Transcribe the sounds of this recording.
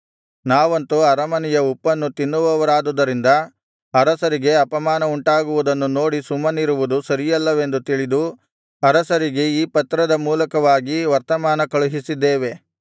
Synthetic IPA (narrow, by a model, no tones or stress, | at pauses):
naːʋɐnt̪uɐɾɐmɐnijɐupːɐnːut̪inːuʋɐʋɐɾaːd̪ud̪ɐɾind̪ɐ | ɐɾɐsɐɾiɡe̞ɐpɐmaːnɐuɳʈaːɡuʋud̪ɐnːuno̞ːɽisumːɐniɾuʋud̪usɐɾijɐlːɐʋe̞nd̪ut̪iɭid̪u | ɐɾɐsɐɾiɡe̞iːpɐt̪ɾɐd̪ɐmuːlɐkɐʋaːɡiʋɐɾt̪ɐmaːnɐkɐɭuɦisid̪ːeːʋe̞